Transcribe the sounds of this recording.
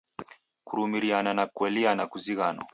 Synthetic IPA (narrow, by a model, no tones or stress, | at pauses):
kuɾumiɾiananakuɛlianakuziɣanɔ̰